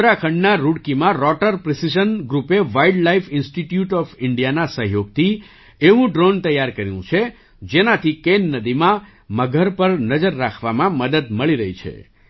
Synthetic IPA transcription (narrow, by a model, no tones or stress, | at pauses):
ɾakʰəɳɖnaɾuɽkimãɾɔʈəɾpɾɪsid͡ʒənɡɾupeʋaiɖlaifɪnsʈiʈjuʈɔfɪɳɖijanasəɦjoɡ̚t̪ʰi | eʋũɖɾont̪əjːaɾkəɾjṵ̃t͡ʃʰe | d͡ʒenat̪ʰikenːəd̪imã | məɡʱəɾpəɾnəd͡ʒəɾːakʰʋamãməd̪əd̪məɭiɾəɦit͡ʃʰḛ